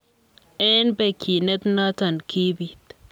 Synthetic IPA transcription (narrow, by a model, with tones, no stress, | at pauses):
ʔɛ˦nbɛ˨kʰi˨nɛ˦t̪na˦tɔ˨nkʰi˦bi˨t